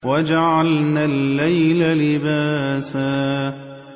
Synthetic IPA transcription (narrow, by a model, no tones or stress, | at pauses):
wad͡ʒaʕalnaːlːajlalɪbaːsaː